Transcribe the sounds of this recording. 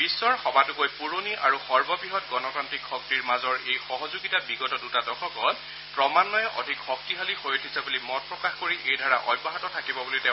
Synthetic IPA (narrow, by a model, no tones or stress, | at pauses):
b̥isːɔɹxɔbatʊkojpuɹoniʔa̰ɹuxɔɹbɔbiɦɔt̚ɡɔnɔkantɹikxɔk̚tiɹmazɔɹejxɔɦɔzuɡitabiɡɔtɔdutadɔkʰɔkɔt | pɹɔmanːɔjɔʔɔ̰dʱikxɔk̚tiɦalixojetʰisabulimɔt̚pɹɔkaxkoɹiʔejdʱaɹaʔɔ̰jbɔɦatɔtʰakibɔbulitɛ̃